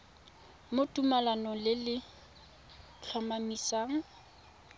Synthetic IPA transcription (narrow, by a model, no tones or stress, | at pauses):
motʼumalanɔlɪlɪ | t͡ɬʰɔmamisaːŋ̩